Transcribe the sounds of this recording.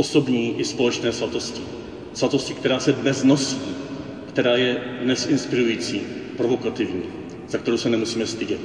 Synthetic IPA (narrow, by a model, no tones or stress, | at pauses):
oso̞bɲiːʔɪspo̞lɛt͡ʃnɛːzvat̪o̞scɪ | z̥vat̪o̞scɪkt̪ɛɾaːsɛbɛzno̞sciː | kt̪ɛɾaːjɛdnɛsʔɪnspɪɾujiːt͡siːpɾo̞vo̞kat̪ɪvɲiː | zak̚t̪ɛɾowsɛnɛmusiːmɛst̪ɪɟɛt̪